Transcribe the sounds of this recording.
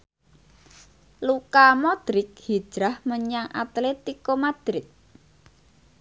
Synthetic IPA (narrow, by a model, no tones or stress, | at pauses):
lukamɔd̪̥ɾɪk̚hi̥ʒ̥ɾahməɲaŋʔa̰t̪let̪ikomad̪̥ɾɪt̪̚